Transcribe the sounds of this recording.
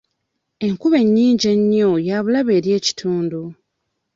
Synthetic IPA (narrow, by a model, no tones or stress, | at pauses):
e̞ŋkuβe̞ɲːiːɲɟeɲːojaβulaβe̞ːɾje̞ːci̥tʰuːndu